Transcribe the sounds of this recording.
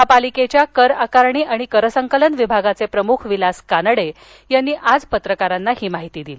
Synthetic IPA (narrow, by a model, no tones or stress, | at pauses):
ɦapaliket͡ɕjakəɾakaɾɳiːʔaɽ̃ikəɾəsəŋkələnʋibʱaɡat͡sepɾəmukʰʋilaskanəɽe | janːiːʔad͡zpət̪ɾəkaɾanːahiːmaɦit̪iːd̪ili